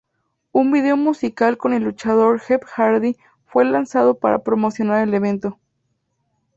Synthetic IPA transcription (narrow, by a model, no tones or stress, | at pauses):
unbiðe̞omusikalko̞ne̞lːut͡ʃað̞o̞ɾxepxaɾði | fwe̞lansað̞o̞pa̰ɾa̰pɾo̞mo̞sjo̞naɾe̞le̞β̞e̞nt̪o